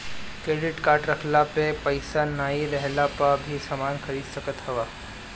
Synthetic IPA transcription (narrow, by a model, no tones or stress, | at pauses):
kɾeːɽɪʈkaːɾʈɾɐkʰlapepəɪsanaːɦiɾɛɦlapabʱisɐmaːnkʰəɾiːd̪səkət̪hɐʋaː